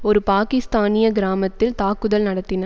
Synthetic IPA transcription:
ɔɾɯpaːkɪst̪aːnɪjɐɡɪɾaːmɐt̪ːɪlt̪aːkːɯðɐlnɐɽɐt̪ːɪnɐ

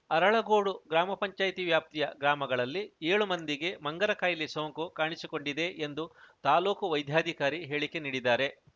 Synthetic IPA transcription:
ɐɾɐɭɐɡoːɽuɡɾaːmɐpɐɲt͡ʃaːjt̪iʋjaːp̚t̪ijɐɡɾaːmɐɡɐɭɐlːieːɭumɐnd̪iɡe̞mɐŋɡɐɾɐkajlisoːŋkukaːɳisiko̞ɳɖid̪e̞ʔend̪ut̪aːloːkuʋɐjd̪ʱjaːd̪ʱikaːɾiɦe̞ːɭike̞niːɽid̪aːɾe̞

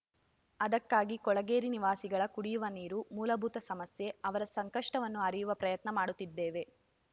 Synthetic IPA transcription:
ɐd̪ɐkːaːɡikɔɭɐɡeːɾiniʋaːsiɡɐɭɐkuɽijuʋɐniːɾumuːlɐbʱuːt̪ɐsɐmɐsje̞ɐʋɐɾɐsɐŋkɐʂʈɐʋɐnːuɐɾijuʋɐpɾɐjɐt̪nɐmaːɽut̪ːid̪ːeːʋe̞

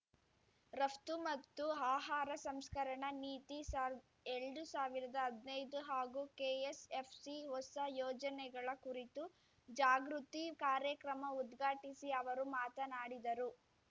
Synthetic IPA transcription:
ɾɐft̪umɐt̪ːuaːɦaːɾɐsɐmskɐɾɐɳɐniːt̪isa | eɭɖusaːʋiɾɐd̪ɐɦːd̪nɐjd̪uɦaːɡukeːesepʰsiɦɔsɐjɔːd͡ʒɐnɛɡɐɭɐkuɾit̪u | d͡ʒaːɡɾut̪ikaːɾjɐkɾɐmɐud̪ɡʱaːʈisiɐʋɐɾumaːt̪ɐnaːɽid̪ɐɾu

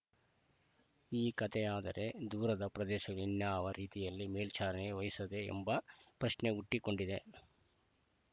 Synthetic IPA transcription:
iːkɐt̪ʰeaːd̪ɐ̰ɾʔe̞d̪uːɾɐd̪ɐpɾɐd̪ɛːʃɐɡɐɭinjaːʋɐɾiːt̪ijɐlːimeːlt͡ʃaːɾɐneɡeʋɐjisɐd̪e̞̰ːmbɐpɾɐʃne̞uʈːiko̞ɳɖid̪e̞

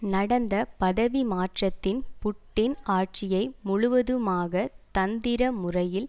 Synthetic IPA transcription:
nɐɽɐnd̪ɐpɐðɐʋimaːʈrɐt̪ːɪnpʊʈːɪnaːʈ̚t͡ʃɪjɐɪmʊɻʊʋɐðɯmaːɣɐt̪ɐnd̪ɪɾɐmʊrɐjɪl

